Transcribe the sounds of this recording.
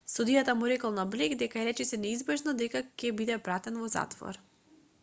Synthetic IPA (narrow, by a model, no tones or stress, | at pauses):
sud̪ijat̪amuɾɛkɔlˠnablɛɡd̪ɛkaɾɛt͡ʃɛsɛnɛizbɛʒnɔd̪ɛkakʲɛbid̪ɛpɾat̪ɛnvɔza̰t̪vɔ̰ɾ